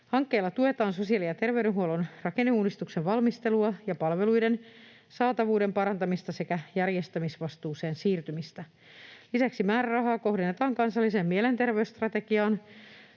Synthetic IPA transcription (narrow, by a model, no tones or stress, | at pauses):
hɑŋkːeːlːɑt̪ue̞t̪ɑːnso̞siɑlijɑt̪erʋeyɾenɦuolonrɑkenːeuːdist̪ukseʋʋɑlmist̪e̞luɑjɑpɑlʋe̞lujden | sɑːt̪ɑʋuːde̞mpɑɾɑnt̪ɑmist̪ɑse̞kæjærje̞st̪æmisʋɑst̪uːse̞ːnsiːrt̪ymist̪æ | lisæksimæːɾærɑɦɑːko̞ɦdenːet̪ɑːŋkɑnsɑlːise̞ːmmiele̞nt̪e̞rʋeyst̪rɑt̪e̞ɡiɑːn